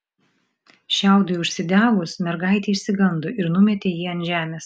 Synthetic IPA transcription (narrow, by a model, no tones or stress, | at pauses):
ʃʲæˑʊd̪oʊʃʲsʲɪd̪ʲæːʋʊsmʲɛɾɡɐˑɪt̪ʲɛɪʃʲsʲɪɡɐnd̪oːʔɪɾnʊmʲɛt̪ʲeːjiːɐnʒʲæːmʲeːs